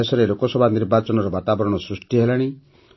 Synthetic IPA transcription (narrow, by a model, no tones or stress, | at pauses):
esɔɾelokɔsɔbʱaniɾbat͡ʃɔnɔɾɔbat̪abɔɾɔɽ̃ɔsɾusʈiɦelaɽ̃i